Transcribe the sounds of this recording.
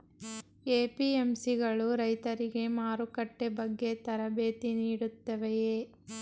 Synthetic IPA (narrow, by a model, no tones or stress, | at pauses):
eːpiemsiɡɐɭuɾɐjt̪ɐɾiɡe̞maːɾukɐʈːebɐɡːe̞t̪ɐɾɐbeːt̪iniːɽut̪ːɐʋejeː